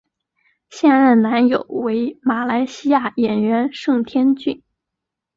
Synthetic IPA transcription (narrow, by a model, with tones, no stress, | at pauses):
ɕjɛ˥˧nɻə˥˩nna˧˥njo˨˩ʊwe˧˥ɪma˨˩la˧˥ɪɕi˥ja˥˩jɛ˨˩nɥɛ˧˥nʂɤ˥˩ŋt̪ʰjɛ˥nt͡ɕy˥˩n